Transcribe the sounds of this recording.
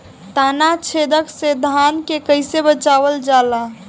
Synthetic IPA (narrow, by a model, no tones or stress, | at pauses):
t̪aːnat͡ʃʰeːd̪əksed̪ʱaːnkekəɪsebət͡ʃaːʋəld͡ʒaːla